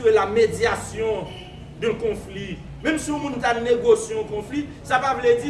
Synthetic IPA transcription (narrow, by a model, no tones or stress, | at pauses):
elamed͡zjasjɔ̃ | d̪ɛ̃kɔ̃fli | mɛ̃msiũmũntaneɡosjeɔ̃kɔ̃fli | sapavlɛd͡zi